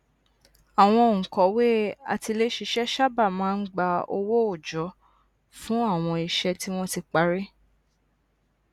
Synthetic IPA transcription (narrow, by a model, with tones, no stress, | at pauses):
a˨w̃ɔ̃˧˨ŋ̩˨kɔ˨˦we˦a̰˧ti˧le˦ʃi˧ʃɛ˦ʃa˦˨ba˦˨mãː˨˦n̩˦ɡ͡ba˧o̰˧wo˦o˦˨d͡ʒɔ˨˦ | fũ˦a˦˨w̃ɔ̃˧i˨ʃɛ˧ti˦w̃ɔ̃˦ti˧k͡pa˧ɾi˦